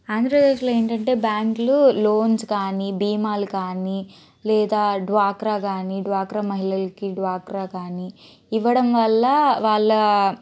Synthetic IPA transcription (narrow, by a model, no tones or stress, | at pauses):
aːnd̪ɾɐpd̪eːʂloːeːɳʈɐɳʈe̞ːbjaːŋkluloːnskaːnibiːmaːlukaːni | lɛːd̪aːɖʋaːkɾaːɡaːniɖʋaːkɾamɐɦilɐlɐkiɖʋaːkɾaːkaːni | iʋːɐɽɐmʋɐlːɐʋaːɭːɐ